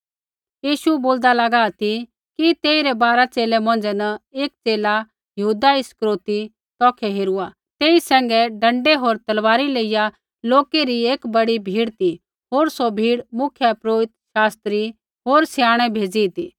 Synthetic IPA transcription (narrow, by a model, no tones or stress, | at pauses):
jiːʃuboːld̪alɐɡaːt̪ʰi | kit̪eːiɾɛbaːɾat͡seːlɛmɐ̃ːn̆d͡zɛnɐeːk̚t͡seːla | jɐɦuːd̪aɪskɾoːt̪i | t̪ɔːkʰɛɦeːɾua | t̪eːisɛ̃ːŋɡɛɖɐ̃ɳɖɛɦoːɾt̪ɐlʋaːɾileːɪja | loːkeɾieːkbɐɽibʱiːɽt̪i | ɦoːɾsobʱiːɽmʊkʰjəpɾoːɪt̪ʃaːst̪ɾi | ɦoːɾsjaːɽ̃ɛbʱeːd͡zit̪iː